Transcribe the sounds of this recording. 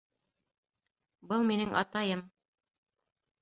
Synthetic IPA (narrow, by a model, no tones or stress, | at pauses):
bɤlˠminɘŋʔɑ̰t̪ɑjɤm